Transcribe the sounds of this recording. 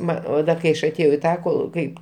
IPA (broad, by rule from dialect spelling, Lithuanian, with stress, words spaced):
ˈmɐ oː ˈdɐ kɐɪ ˈɐʃ ɐˈtʲeːjɛʊ iː ˈtɑː ˈkoːlˠ ˈkɐɪp